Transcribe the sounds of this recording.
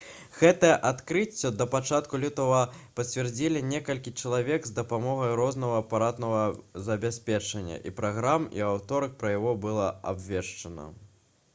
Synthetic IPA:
ɣɛt̪ɐjɛʔat̪kɾɨt͡sʲːɐd̪ɐpat͡ʂat̪kulʲit̪ɐvɐpɐt͡sʲvʲɛrd͡zʲilʲinʲɛkɐlʲkʲit͡ʂɐlˠavʲɛɡzd̪ɐpamɔɣɐjɾɔznɐɣɐːpaɾat̪nɐɣɐzɐbʲasʲpʲɛt͡ʂɐnʲːɐ̰ʔipɾaɣɾamḭawt̪ɔɾɐk̚pɾɐjaɣɔbɨlˠɐa̰bvʲɛʂt͡ʂɐnɐ̰

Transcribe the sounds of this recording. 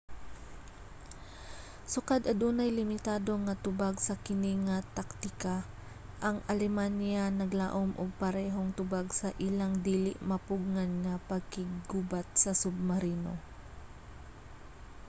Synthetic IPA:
sʊkad̪ɐd̪uːnɐjlɪmɪt̪aːd̪o̞ŋɐt̪ʊbaɡsɐkɪniŋɐt̪ak̚t̪ɪka | ʔɐŋʔɐlɛmanjanɐɡla̰ːʔomʔʊɡ̚pɐɾɛːɦoŋt̪ʊbaɡsɐʔilaŋd̪iːlɪ̰ʔmɐpʊɡ̚ŋanŋɐpɐɡ̚kɪɡɡubat̪̚sɐsʊb̚mɐɾiːno̰

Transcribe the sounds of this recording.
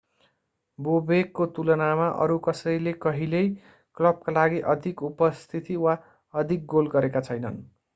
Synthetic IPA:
bobekːot̪ulʌnamaʔʌ̰ɾukʌsʌjlekʌɦilej | klʌb̚kalaɡiʔʌd̪ʱikupʌst̪ʰit̪iwa | ʌd̪ʱik̚ɡolɡʌɾekat͡sʰʌjnʌn

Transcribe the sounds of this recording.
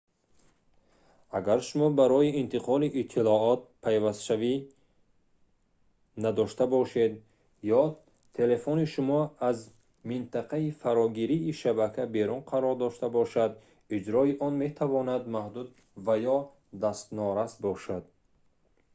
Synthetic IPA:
aɡaɾʃumɔbaɾɔiint̪ʰiqʰɔliʔːt̪ʰːilɔɔt̪̚pʰajvast̪ʃavi | nad̪ɔʃt̪abɔʃe̞d̪ | jɔ | t̪ʰe̞le̞foniʃumɔaz | mint̪ʰaqʰaifaɾɔɡiɾiːʃabakʰabe̞ɾunqʰaɾɔɾd̪ɔʃt̪abɔʃad̪ | id͡ʒɾɔiʔɔnme̞t̪ʰavɔnad̪mahd̪ud̪ | vajɔ | d̪ast̪nɔɾasbɔʃad̪

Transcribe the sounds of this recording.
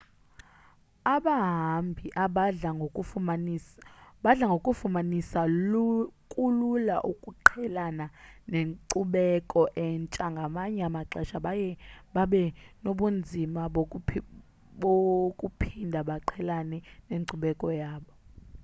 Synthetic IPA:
aɓaɦambʱiʔaɓao | ɓaɮaŋɡʱokʼufumanisa | kʼulula̰ʔukʼuǃʰɛlananeŋǀuɓɛkʼɔʔɛnt͡ʃʼaŋɡʱamaɲɛamaǁɛʃaɓjɛɓaɓɛnoɓund͡zʱimaɓ | ɓokʼupʰindʱaɓaǃʰɛlanɛneǀuɓɛkʼɔjaːɓɔ

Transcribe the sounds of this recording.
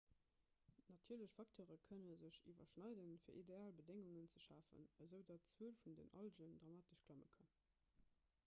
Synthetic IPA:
nɑtʰiːɐləɕfɑktʰoːʁəkʰənəzəɕḭvɐʃnɑɪdənfiːɐʔideaːlbədeŋuŋənt͡səʃaːfə̰nəzəʊdɑtt͡swəəlfundḛnʔɑlʒəndʁɑmaːtəʃklɑmə̰kʰɑn

